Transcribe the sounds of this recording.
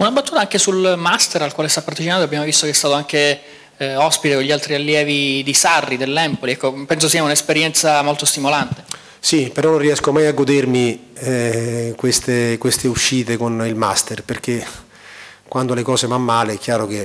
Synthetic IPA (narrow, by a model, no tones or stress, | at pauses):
unabːat̪ːuːt̪aaŋk̟esulmast̪eɾalkwaːlest̪apːaɾt̪it͡ʃinaːt̪oabːjaːmovist̪ok̟ɛst̪aːt̪oaŋk̟e | ɔspit̪ekonʎialt̪ɾialːjɛːvid̪isarːid̪elːɛmpoliɛkːopɛns̬osiːaunaespeɾjɛnt̪samolt̪ost̪imolant̪e̥ | sipeɾɔnõnrːiɛskomajaɡːod̪ermi | kwest̪ekwest̪euʃːiːt̪ekonilma̰st̪erperk̟e | kwʔand̪olekɔːsevamːaːleɛk̟ːjaːɾok̟e